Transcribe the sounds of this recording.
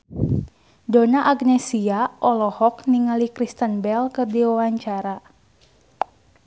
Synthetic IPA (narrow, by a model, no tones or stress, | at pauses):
donaʔaɡnɛsiaʔɔlɔhɔkniŋalikɾist̪ənbɛlkɨrdiwawaɲt͡ʃaɾa